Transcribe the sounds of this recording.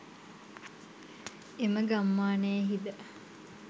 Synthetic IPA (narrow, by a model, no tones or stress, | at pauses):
eməɡamːaːneːɦid̪ə